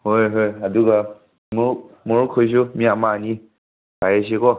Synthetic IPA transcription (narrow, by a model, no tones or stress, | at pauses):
hojɦojaduɡa | mʊ | mʊɹkʰojs̬umiamaːni | b̥ajes̬ikɔ